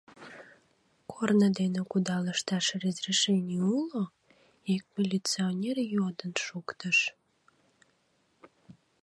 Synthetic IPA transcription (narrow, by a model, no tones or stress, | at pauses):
kʰornəd̪enĕkud̪ɑləʃt̪ɑʃrəzreʃenʲiulo | ek̚mʲilʲit͡sionʲerjod̪ənʃukt̪əʃ